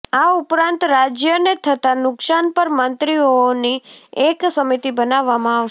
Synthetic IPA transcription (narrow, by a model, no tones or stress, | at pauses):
aupɾãnt̪ɾad͡ʒjənet̪ʰət̪anʊksanpəɾmənt̪ɾionieksəmit̪ibənaʋːamãaʃ